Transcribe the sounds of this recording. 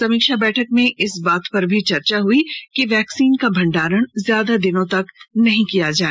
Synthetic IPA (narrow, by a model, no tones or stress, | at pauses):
sɐmiːkʃabɛːʈʰəkmẽɪsbaːt̪pɐɾbʱit͡ʃɐɾt͡ʃaɦuikiʋɛːksiːnkabʱɐ̃ɳɖaːɾəɽ̃zjaːd̪ad̪ɪnõt̪ɐknɐɦĩkijad͡ʒaːe